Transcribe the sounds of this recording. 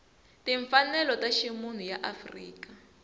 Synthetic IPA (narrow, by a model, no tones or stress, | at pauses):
tiɱfanɛlɔtaʃimun̤ujaʔafrḭːka